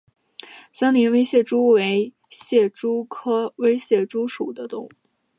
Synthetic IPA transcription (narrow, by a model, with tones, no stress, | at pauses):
ɕjɑ˥ŋnli˧˥nwe˥ɪɕjɛ˥˩ʈ͡ʂu˥we˧˥ɪ | ɕjɛ˥˩ʈ͡ʂu˥kʰɤ˥we˥ɪɕjɛ˥˩ʈ͡ʂu˥ʂu˨˩d̪ə˦t̪ʊ˥˩ŋu˩